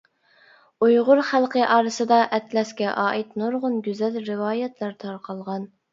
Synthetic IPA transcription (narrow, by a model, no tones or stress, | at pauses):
ujʁʊɾχælˠqəʔɑːɾɨsɨd̪ɑʔɛt̪lɛskʲɛʔɑːʔɪt̪noɾʁʊnɡʲyzɛlɾɪwɑːjɛt̪ʰlˠɑɾt̪ʰɑɾqʰɑlˠʁɑn